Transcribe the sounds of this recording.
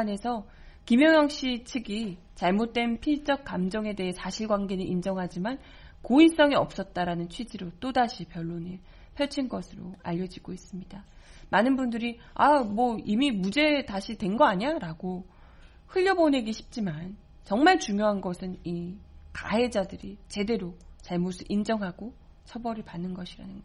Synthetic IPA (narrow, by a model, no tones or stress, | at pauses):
ane̞sʰʌ | kimjʌŋjʌŋɕ͈it͡ɕʰɯɡi | t͡ɕaɭmot̚t͈we̞npʰiɭt͡ɕ͈ʌk̚k͈amd͡ʑʌŋe̞de̞ɦe̞sʰaɕʰiɭɡwaŋɡenɯʔind͡ʑʌŋɦad͡ʑiman | kois͈ʌŋiʌp̚s͈ʌt̚t͈aɾanɯnt͡ɕʰwid͡ʑiɾot͈odaɕʰipjʌɭːoniɭ | pʰjʌɭt͡ɕʰinɡʌsʰɯɾo̰a̰ʎːʌd͡ʑiɡois͈ɯmɲidamanɯnbundɯɾi | amwʌimimud͡ʑe̞taɕʰitwe̞nɡʌaɲaɾaɡo | hɯʎːʌbone̞ɡiɕʰi̥p̚t͡ɕ͈iman | t͡ɕʌŋmaɭt͡ɕuŋjoɦanɡʌsʰɯnika̰ɦe̞d͡ʑadɯɾit͡ɕe̞de̞ɾot͡ɕaɭmosʰɯind͡ʑʌŋɦaɡo | t͡ɕʰʌbʌɾɯɭpanːɯnɡʌɕʰiɾa̰nɯnɡ